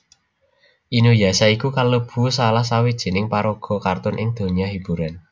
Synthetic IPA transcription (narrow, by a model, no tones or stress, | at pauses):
ʔinujasaikukalob̥ṳsalahsawid̥ʒ̥e̤nɪŋpaɾoɡ̥ɔ̤kart̪ʊnʔɪŋd̪̥o̤ɲiahib̥ṳɾan